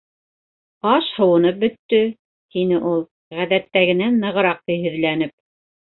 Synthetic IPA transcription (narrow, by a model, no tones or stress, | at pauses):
ɑʃhɤ̆wɤ̆nɤp̚bɵ̆t̪ːɵ | t̪inɘʔulˠ | ʁæðæt̪ːæɣɘ̆nænːɤ̆ʁɤ̆ɾɑq̚t̪ɤjɦɵ̆ðlænɘp̚